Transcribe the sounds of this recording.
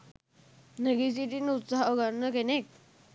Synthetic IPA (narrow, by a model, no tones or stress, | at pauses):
nəɡisit̪inut̪saɦɡaɾnəkenek̚